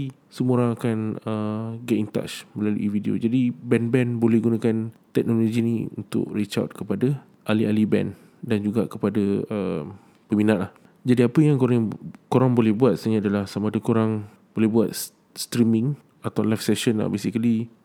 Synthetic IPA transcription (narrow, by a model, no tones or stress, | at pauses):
səmoɾãŋakanəɡɛt̪int̪a̰t͡ʃmə̃lalṵʔividio̰d͡ʒadibɛnbɛnbolɛhɡunãkant̪ɛk̚noloɡiniṵnt̪ʊ̰kɾit͡ʃa̰t̪̚kəpada | ʔalialibɛ̰n | dand͡ʒuɡakəpadaəm | pəminãʔlah | d͡ʒadiapəjaŋkoɾaŋkoɾaŋbolɛhbuat̪̚saɲaaːdalahsamaːdəkoɾaŋ | b̥olɛhbuat̪̚ | st̪ɾimĩŋ | at̪awlajfsɛʃənla̰hbesikali